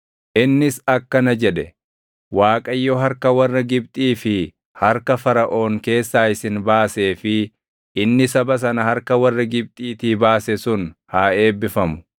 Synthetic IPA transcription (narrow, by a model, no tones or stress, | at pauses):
ʔɪnːɪsɐkːɐnɐd͡ʒɛᶑɛ | waːkʼɐjːɔɦɐɾkɐwɐrːɐɡɪb̚t̪ʼiːfɪ | hɐɾkɐfɐɾɐʔo̞ːŋke̞ːsːaːɪsɪnbaːse̞ːfɪ | ʔɪnːɪsɐbɐs̬ɐnɐhɐɾkɐwɐrːɐɡɪb̚t̪ʼiːt̪iːbaːsɛsʊnhaːe̞ːbːɪfɐmʊ̥